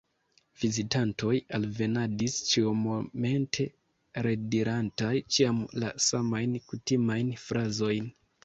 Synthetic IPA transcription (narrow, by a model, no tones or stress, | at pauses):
v̥izitanto̞jalve̞nadist͡ʃiomome̞ntʰe̞ | ɾe̞diɾantajt͡ʃiamla̰samajnkutimajnfɾazo̞jn